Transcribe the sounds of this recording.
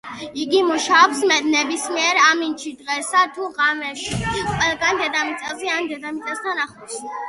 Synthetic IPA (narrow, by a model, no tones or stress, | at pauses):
iɡimuʃaɔpsmɛnɛbismiɛɾamint͡ʃʰid̪ʁɛsat̪ʰuʁamɛʃiqʼwɛlˠɡand̪ɛd̪amit̪sʼɛzɛand̪ɛd̪amit̪sʼɛst̪ʰanaχɔs